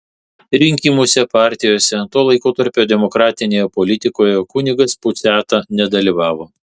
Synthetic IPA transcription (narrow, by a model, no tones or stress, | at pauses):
ɾʲɪŋʲkʲiːmuːsʲɛpɑːɾʲt̪ʲɪjoːsʲɛt̪oːlˠɐɪkoːt̪ɐɾʲpʲoːd̪ʲɛmɔkɾɑːt̪ʲɪnʲeːjɛpɔlʲɪt̪ʲɪkoːjɛkʊnʲɪɡɐspʊt̪sʲæːt̪ɑnʲɛd̪ɐlʲiʋɑːʋoː